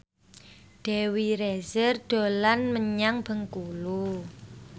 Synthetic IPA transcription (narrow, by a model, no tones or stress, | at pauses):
ɖ̪̥e̤wiɾezərd̥o̤lanməɲaŋb̥ə̤ŋkulu